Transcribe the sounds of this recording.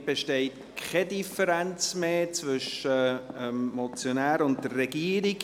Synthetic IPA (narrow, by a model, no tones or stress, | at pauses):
b̥eʃtɛɪt | kχɛdifəɾænt͡smeːt͡svʏʃəəmmɔt͡sjonæːɾʊnt̚tərːɛɡiːəɾiɡ